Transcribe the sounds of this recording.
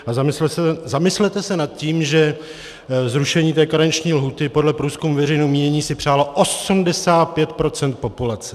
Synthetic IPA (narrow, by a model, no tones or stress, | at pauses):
azamɪsɛɛzamɪslɛt̪ɛsɛnat̪̚ciːmʒɛ | zɾuʃɛɲiːt̪ɛːkaɾaɲt͡ʃɲiːlɦuːt̪ɪpo̞dlɛpɾuːskumuvɛrɛjnɛwmiːɲɛɲiːsɪpr̝̥aːlo̞ʔo̞sumdɛsaːt̪̚pjɛt̪̚pɾo̞t͡sɛnt̪̚po̞pulat͡sɛ̥